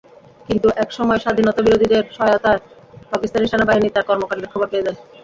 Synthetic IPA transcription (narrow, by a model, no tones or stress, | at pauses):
kint̪uʔɛkʃɔmɔeʃad̪ʱinɔt̪abiɾod̪ʱid̪eɾʃɔajot̪a | pakist̪aneʃanabaɦinit̪aɾkɔɾmokaɾɖeɾkʰɔbapeed͡ʑae